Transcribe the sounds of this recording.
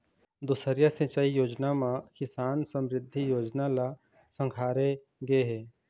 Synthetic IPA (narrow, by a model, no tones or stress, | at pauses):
d̪ʊsəɾjasɐ̃t͡ʃaːijoːd͡ʒnamãkɪsaːnsə̃mɾɪd̪ʱːijoːd͡ʒnala | sə̃ŋkʰaːɾe | ɡɐeɦɛː